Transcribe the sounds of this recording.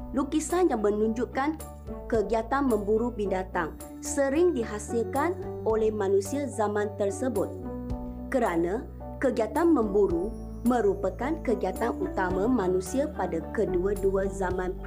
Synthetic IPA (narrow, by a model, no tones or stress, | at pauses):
lukisanjaŋmə̃nũɲd͡ʒuʔkan | kəɡiat̪anmə̃mbuɾubindat̪aŋ | səɾɪŋdiɦasilkanolɛhmãnũsiazamãnt̪ərsəbʊt̪̚ | kəɾanã | kəɡiat̪anmə̃mbuɾu | mə̃ɾupəkankəɡiat̪anut̪amãmãnũsiapadakəduəduəzamãn